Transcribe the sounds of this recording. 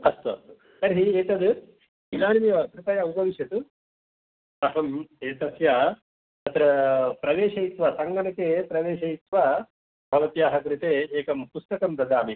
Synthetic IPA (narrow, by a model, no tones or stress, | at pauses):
kɐst̪ɐ̰ | sɐɾɦieːt̪ɐd̪ | ilaːnimijɐɐkɾɪt̪ɐjaupɐʋiʃjɐt̪u | ɐɦɐmeːt̪ɐsjaː | ɐt̪ɾɐpɾɐʋeːʃɐit̪ʋɐsɐŋɡɐnɐkeːpɾɐʋeːʃɐjit̪ʋaː | bʱɐʋɐt̪jaːɦɐkɾit̪eːkɐmpust̪ɐkɐmpɾɐd̪ʱaːmi